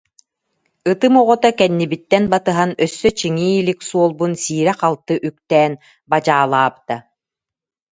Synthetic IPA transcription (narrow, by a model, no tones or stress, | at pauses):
ɯt̪ɯmɔʁɔt̪akɛnːibit̪ːɛnbat̪ɯɦanœsːœt͡ɕiŋiːliksuɔlˠbunsiːɾɛqalˠt̪ɯʔyk̚t̪ɛːn | bad͡ʑaːlˠaːbɯ̥t̪a